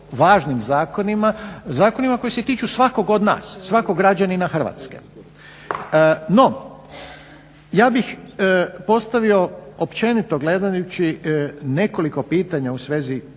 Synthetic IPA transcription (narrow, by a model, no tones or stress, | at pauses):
ʋaːʒnimzaːko̞nimazaːko̞nimako̞jese̞t̪iːt͡ʃusʋako̞ɡod̪na̰ːsːʋakoɡɾad͡ʑaninaxr̩ʋa̰ːt̪skḛ | no̞ | jaːbix | po̞st̪aʋio̞opt͡ʃe̞nit̪o̞ɡle̞d̪ajut͡ɕine̞ko̞liko̞piːt̪aɲausʋeːzi